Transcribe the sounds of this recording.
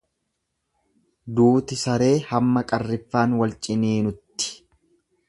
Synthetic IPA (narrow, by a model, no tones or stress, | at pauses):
d̪uːt̪ɪsɐɾe̞ːhɐmːɐkʼɐrːɪfːaːnwɐlt͡ʃʼɪniːnʊt̪ːɪ̥